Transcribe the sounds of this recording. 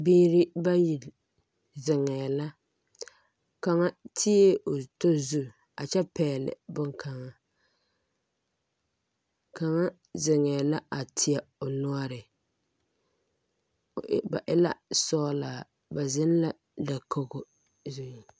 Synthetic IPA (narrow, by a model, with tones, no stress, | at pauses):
biː˦ɾɪ˦ba˦ji˨ | zɪ˨ŋɛ˨la˦ | ka˨ŋa˦tʰɪ˦e˦o˨to˦zu˦ | a˨t͡ʃɛ˦pɛː˨lɪ̰˨bʊ˦ŋkʰa˨ŋa˦ | ka˨ŋa˦ | zɪ˨ŋɛː˨la˦ʔa˨tʰɪ˨a˨o˨nʊ˦a˦ɾɪ˨˦ | ba˨ʔɪ˦la̰˦sɔː˦la˨ | ba˨zɪ˦n˦la˦ | da˨kʰo˦ɡʊ˦ | zu˦i˨